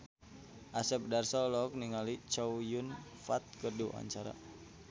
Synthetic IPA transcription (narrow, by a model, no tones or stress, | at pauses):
ʔasɛp̚darsalɔk̚niŋalit͡ʃawjunfat̪̚kərduʔa̰ɲt͡ʃaɾa̰